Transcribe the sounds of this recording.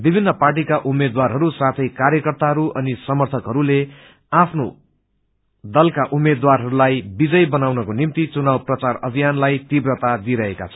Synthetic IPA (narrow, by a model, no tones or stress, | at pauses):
bibʱinːʌparʈ̬ikaʔumed̪warɦʌɾusat̪ʰʌjkaɾjʌkʌrt̪aɦʌɾuʔʌnisʌmʌrt̪ʰʌkɦʌɾule | apʰno | d̪ʌlkaʔumed̪warɦʌɾulajbid͡zʌjbʌnawnʌkonimt̪it͡sunawprʌt͡sarʌbʱijanlajt̪ibrʌt̪ad̪iɾʌɦeka̰t͡sʰʌ̥